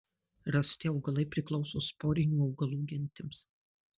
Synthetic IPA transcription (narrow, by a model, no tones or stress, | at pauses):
ɾɐsʲt̪ʲɪɒʊɡɐlˠɐɪpʲɾʲɪklˠɒʊsoːspoːɾʲɪnʲuːɒʊɡɐlˠuːɡʲɪnʲt̪ʲɪms